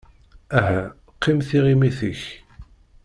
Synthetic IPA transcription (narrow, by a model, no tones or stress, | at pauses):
æɦæ | qʰːimθiʁimiθəç